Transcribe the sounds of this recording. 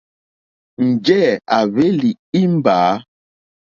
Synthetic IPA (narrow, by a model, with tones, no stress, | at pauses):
n̩˨d͡ʒɛ˦˨a˨ve˦li˨ | i˦m̩˦baː˨˦